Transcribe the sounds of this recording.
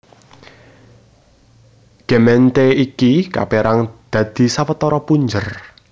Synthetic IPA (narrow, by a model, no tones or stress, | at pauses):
ɡ̥emɛnt̪eikika̰peɾaŋd̪̥ä̤d̪̥i̤sawət̪ɔɾɔpuɲd͡ʒər